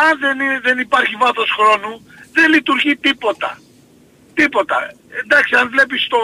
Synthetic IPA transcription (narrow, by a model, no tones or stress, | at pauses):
ɐnðeniðenipɐɾçivɐθo̞sxɾo̞nu | ðenlit̪uɾʝit̪ipo̞t̪ɐ̰ | t̪ipo̞t̪ɐ̰ | end̪ɐksiɐnvle̞p̬ist̪o